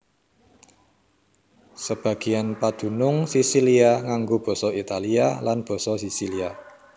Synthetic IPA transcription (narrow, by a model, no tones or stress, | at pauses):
səb̥a̤ɡ̥i̤anpad̪̥ṳnʊŋsisiliaŋaŋɡob̥ɔ̤sɔit̪alialanb̥ɔ̤sɔsisilia